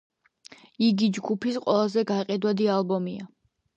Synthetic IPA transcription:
iɡid͡ʒɡupʰisqʼwɛlˠazɛɡaqʼɛd̪wad̪ialˠbɔmia

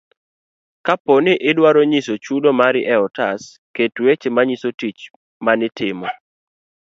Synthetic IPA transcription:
kaponɪʔɪdwaɾoɲisot͡ʃudomaɾɪʔɛɔtas | ketwet͡ʃemaɲisotit͡ʃ | manɪtʰɪmɔ

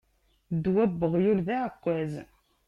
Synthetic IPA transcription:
d̪wæbːəʁjulðæʕəkʷːæz

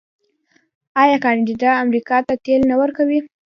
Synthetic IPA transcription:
ɑjɑkɑnɖid̪ɑamɾikɑt̪at̪elnawəɾkawi

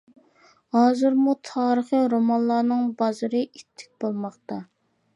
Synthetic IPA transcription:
hɑːzɨɾmut̪ʰɑːɾəχəɾomɑnlˠɑːnɨŋbɑzɨɾɨʔit̪ʰːɪ̥k̚ʲbolˠmɑχt̪ɑ

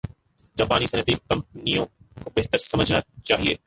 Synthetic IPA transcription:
d͡ʒɐːbaːnisɐnət̪ikɐ̃mp̚nijõkobeɦt̪əɾsɐməd͡ʒʱna̰t͡ʃaːɦiḛː

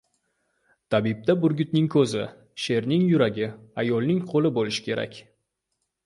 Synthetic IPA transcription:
t̪ʰabib̚t̪abʊɾɡʲʊt̪nɪŋkʰɵzɪ | ʃe̞ɾnɪŋjʊɾaɡʲɪajɒlˠnɪŋqʰolɪbolɪʃɪ̥kʲe̞ɾa̰kʲ

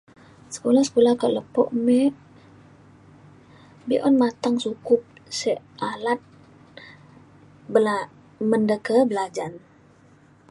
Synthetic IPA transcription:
sə̥kolahsə̥kolahkəʔləpɔ̰ʔmɛʔ | biʔɔnmat̪aŋsukʊp̚sɛʔʔalat̪̚ | bəla | məndəkəbəlad͡ʒan

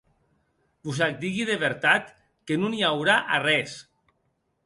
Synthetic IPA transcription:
buzak̚d̪iɣiðeβeɾt̪at̪ | kenuniawɾaʔarɛs

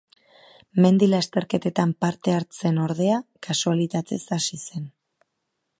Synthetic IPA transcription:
me̞nd̪ilast̪e̞ɾke̞t̪e̞t̪ampaɾt̪e̞aɾt͡se̞no̞ɾð̞e̞akasualit̪at̪e̞sasise̞n

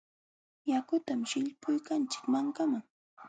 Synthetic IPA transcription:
jakʊt̪amʃɪʎpʊjkant͡ʃɪ̥kmaŋkamaŋ

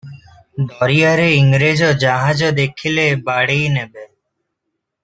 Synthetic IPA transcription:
b̪ʱoːɾijaːɾeːɪŋɡɾeːd͡ʒoːd͡ʒaːɦãːd͡ʒoːd̪eːkʰɪleːbaːɽeiːnɛːbeː

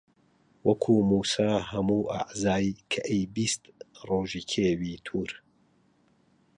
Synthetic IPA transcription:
wɐkʰuːmuːsaːɦɐmuːʔa̰ʕzaːjkʰɐʔejbist̪roːʒiːkʰewiːt̪ʰuːɾ

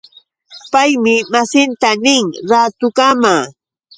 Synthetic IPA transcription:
pajmɪmasɪnt̪anɪŋɾat̪ʊkamaː

